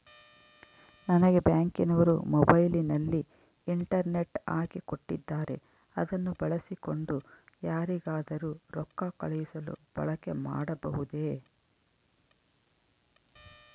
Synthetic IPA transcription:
nɐnɐɡe̞bjaːŋkinɐʋɐɾṵmɔbɐjlinɐlːi | iɳʈɐɾne̞ʈaːkiko̞ʈːḭd̪ːaːɾʔe̞̰ | ɐd̪ɐnːubɐɭɐsiko̞ɳɖujaːɾiɡaːd̪ɐɾuːɾɔkːɐkɐɭɐjisɐlṵb̥ɐ̰ɭɐke̞ma̰ːɽɐbɐɦud̪e̞ː

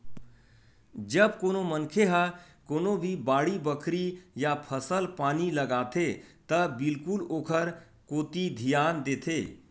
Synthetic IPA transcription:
d͡ʒəbkoːnomənkʰeɦa | koːnobʱibaːɽibəkʰɾijapʰəsəlpaːniləɡat̪et̪əbɪlkuloːkʰəɾ | koːt̪id̪ʱijaːnd̪eːt̪ʰeː

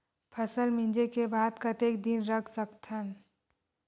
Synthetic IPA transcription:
pʰəsəlmĩnd͡ʒekebaːd̪kət̪eːkd̪inɾəkʰsəkt̪ʰən

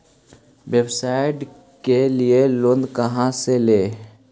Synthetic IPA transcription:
websaːɪʈ | kelieloːnd̪kəɦãseleː

